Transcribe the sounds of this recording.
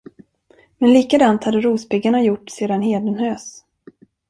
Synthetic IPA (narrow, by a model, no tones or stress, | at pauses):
mɛnliːkad̪ant̪had̪ːəɾuːspɪɡaɳajʊʈːseːd̪anɦeːd̪ənhøːs